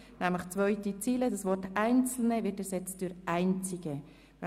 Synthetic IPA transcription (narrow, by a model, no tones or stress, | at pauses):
næmləxt͡svœʏtit͡siːlədasvɔrtaɪnt͡sl̩nəvɪɾtɛɾsɛt͡std̥ʊɾaɪnt͡sɪɡ̥ə